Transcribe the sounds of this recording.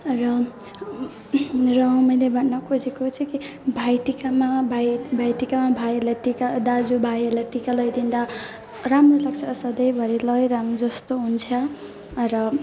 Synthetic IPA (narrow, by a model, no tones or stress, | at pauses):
rʌ | rʌmʌjlebʱʌnnʌkʰod͡zekot͡sʰʌ̃ki | bʱajʈikamabʱajbʱajʈikamabʱajelaʈikad̪ad͡zubʱajelajʈikalʌjd̪ind̪a | ramrolaɡ̚t͡sʰʌsʌd̪ʌjbʱʌɾilʌjɾamd͡zʌst̪oɦunt͡sʰʌ | rʌ